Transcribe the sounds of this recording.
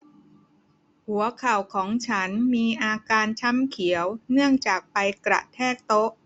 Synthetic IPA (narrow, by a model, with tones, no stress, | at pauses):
hu˩˦ɐkʰa˨˩wkʰɔː˩˦ŋt͡ɕʰa˦˥nmiː˧ʔaː˧kaː˧nt͡ɕʰa˦˥mkʰi˩˦əwnɯ˥˩əŋt͡ɕaː˨˩k̚pa˧jkɾa̰˨˩ʔt̪ʰɛː˥˩k̚t̪o˦˥ʔ